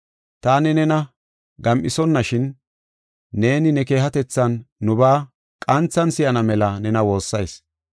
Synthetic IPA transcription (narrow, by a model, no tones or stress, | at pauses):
t̪aːnɛnɛnɐ | ɡɐmʔɪsɔnːɐʃɪnː | e̞ːnɪnɛke̞ːhɐt̪ɛt͡sːɐnːʊbaː | kʼɐnt͡sːɐnsɪjɐnɐmɛlɐnɛnɐwo̞ːsːɐjs